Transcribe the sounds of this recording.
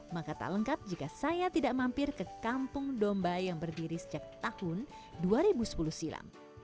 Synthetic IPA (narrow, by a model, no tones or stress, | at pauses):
makat̪a̰ləŋkat̪̚d͡ʒikasajat̪idaʔmampɪrkəkampʊŋdombajaŋbərdiɾisəd͡ʒak̚t̪ahʊn | duaɾibusə̥puluhsila̰m